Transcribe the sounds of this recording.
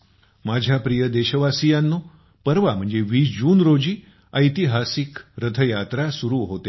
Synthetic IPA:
mad͡ʑʱapɾijəd̪eɕəʋasijanːo | pəɾʋam̤ə̃ɳd͡zeʋiːsd͡ʑuːnɾod͡ʑiː | əjt̪iɦasikɾət̪ʰəjat̪ɾasuɾuɦot̪e

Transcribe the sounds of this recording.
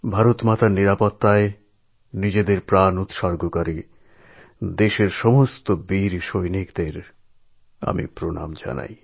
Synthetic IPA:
bʱaɾot̪mat̪aɾniɾapot̪ːae | nid͡ʑed̪eɾpɾanut̪ʃɔɾɡokaɾi | d̪eʃeɾʃɔmost̪obiɾʃojnikd̪eɾ | a̰mḭpɾona̰md͡ʑa̰na̰j

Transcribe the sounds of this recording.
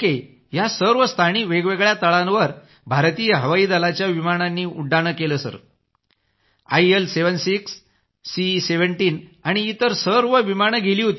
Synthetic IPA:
ke | jasəɾʋəst̪ʰaɽ̃iːʋeɡʋeɡɭjat̪əɭãnʋəɾ | bʱaɾt̪iːjɦəʋaiːd̪alat͡ɕjaʋimaɽ̃anːiːuɖaɽ̃əkeləsə̰ɾ | a̰jelseʋənsiksː | iseʋəɳʈiːnaɽ̃iːt̪əɾsəɾʋəʋimaɳ̃ɡʱeliːɦot̪i

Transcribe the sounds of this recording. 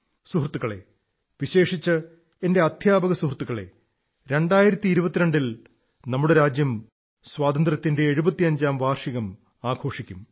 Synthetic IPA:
suɦrt̪ːuɣɐɭḛ | ʋiɕe̞ːʂit͡ɕːɨ | e̞nde̞ɐd̪ʰʱjaːbɐɣɐsuhrt̪ːuɣɐɭe̞̰ | ɾe̞ɳɖaːjiɾɐt̪ːiːɾubɐt̪ːiɾe̞ɳɖil | nɐmːuɽe̞ɾaːd͡ʑjɐm | swaːd̪ɐnd̪rɐt̪ːinde̞ːɻubɐt̪ːiɐɲd͡ʑaːmʋʱaːrʂiɣɐm | aːɡʰʱo̞ːʂikʲːum

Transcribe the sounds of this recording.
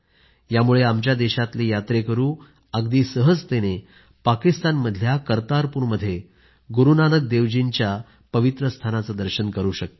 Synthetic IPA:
jamuɭeamt͡ɕjad̪eɕat̪lejat̪ɾekəɾuː | aɡd̪iːsəɦəd͡zt̪ene | pakist̪anməd̪ʱjakəɾt̪aɾpuːɾməd̪ʱːje | ɡuɾunanək̚d̪eʋd͡ʑint͡ɕja | pəʋit̪ɾəst̪ʰanat͡səd̪əɾɕənkəɾuːɕək̚t̪

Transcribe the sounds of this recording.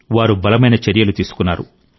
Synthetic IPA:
ʋaːɾubɐlɐmɐjnɐt͡ʃeɾjɐlut̪iːsu̥kunːaːɾṵ

